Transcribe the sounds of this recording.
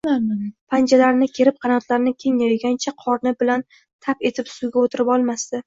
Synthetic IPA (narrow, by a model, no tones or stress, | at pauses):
ampʰand͡ʒalaɾnɪkʲʰe̞ɾɪp̚qʰɑnɒt̪ʰlaɾnɪkʲʰe̞ŋjɒjɡʲant͡ʃʰaqʰɒɾnɪbɪlan | t̪ʰape̞t̪ʰɪpsʊɡʲaot̪ʰɪɾɪpɒlˠmast̪ɪ